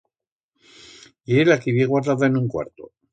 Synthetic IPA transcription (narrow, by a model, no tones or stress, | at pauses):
ielakiβjeɣwaɾðaðaenũŋkwa̰ɾt̪o̰